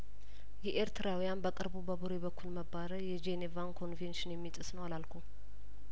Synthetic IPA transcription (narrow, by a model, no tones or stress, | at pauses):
jɛʔeɾt̪ʰɨɾawijanbəkʼɨɾbubəbuɾebəkʰːulməbːaɾəjɛd͡ʒenevankʰo̞nfenʃɪnjɛmːit̪ʼɨsnəwalalkʰu